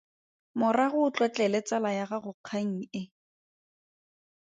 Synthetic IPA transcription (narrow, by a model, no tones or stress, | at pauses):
mʊraɣʊt͡ɬwɔt͡ɬɛlɛt͡salajaɣaɣʊq͡χʰaŋ̩ɪ